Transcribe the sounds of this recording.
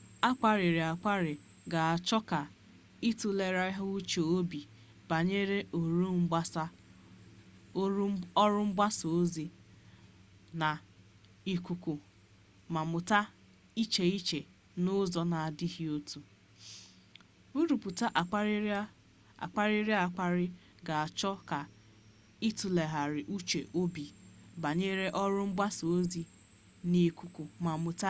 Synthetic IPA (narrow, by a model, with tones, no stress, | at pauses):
a˦k͡pa˨ɾɪ˨ɾɪ˨a˨k͡pa˦ɾɪ˨ | ɡa˨a˨t͡ʃɔ˦ka˨ | i˦tu˨le˨ɾa˦i˦ɦʊ˦u˦t͡ʃo˨o˦bi˨ | b̥a˨ɲe˦ɾe˦ʔo˨ɾu˦m̩˦a˦s | ɔ˦ɾʊ˦ŋ͡m̩˦ba˦so˨o˦zi˦ | na˨ | i˨kʷu˨kʷu˨ | ma˨mʊ˨ta˦ | i˦t͡ʃe˨i˦t͡ʃe˨ | nʊ˦zɔ˨na˨a˨dɪ˦ɦi˦o˦tu˨ | u˦ɾu˨pu˨ta˦ʔa˨˦ | a̰˨k͡pa˦ɾi˦ɾja˦˨k͡pa˦ɾɪ˦ | ɡa˨a˨t͡ʃɔ˦ka˨ | i˦tu˨le˨ɦa˨ɾɪ˨ʔu˦t͡ʃe˨ʔo˦bi˨ba˨ɲe˦ɾe˦ʔɔ˦ɾʊ˦m̩˦ba˦so˨o˦zi˦ | ni˨ku˨ku˨ma˨mʊ˨ta˦